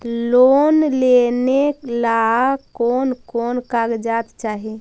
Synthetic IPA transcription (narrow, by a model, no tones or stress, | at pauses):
lonleneklakonkonkaɡd͡ʒat̪t͡ʃaɦi